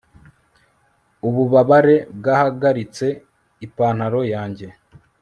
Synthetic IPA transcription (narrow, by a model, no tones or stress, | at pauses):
uβuβaβaɾe̞b̚ɡaːhaɡaɾit͡se̞ | ipaːn̥haɾo̞jaːɲɟe̞